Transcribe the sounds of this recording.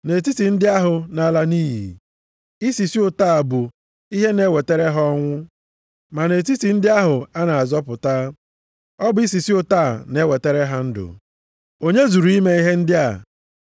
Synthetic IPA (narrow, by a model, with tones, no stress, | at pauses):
ne˨ti˦ti˨n̩˦dɪ˦a˦ɦʊ˨na˨˦la˦niː˦ɦḭ˨ | i˦si˨si˦ʊ˨taː˦˨a˨bʊ˨ | i˦ɦe˦ne˦we˨te˦ɾe˦ɦɔ˦ŋʷʊ˦ | ma˨ne˨t̬i˦ti˨n̩˦dɪ˦a˦ɦʊ˨a˦na˨a˨zɔ˦pʊ˨ta˦ | ɔ˦bʊ˦i˦s̬i˨si˦ʊ˦taː˦˨ne˦we˨te˦ɾe˦ɦa˦n̩˦dʊ̰˨ | o˦ɲe˦zu˨ɾu˨˦i˦me˦i˦ɦe˦n̩˦dɪ˦a̰˨